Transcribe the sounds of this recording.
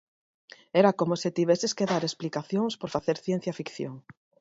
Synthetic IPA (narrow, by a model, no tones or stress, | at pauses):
ɛɾakomoset̪iβɛseskeðaɾesplikaθjoŋspoɾfaθeɾθjẽn̟θjafikθjo̰ŋ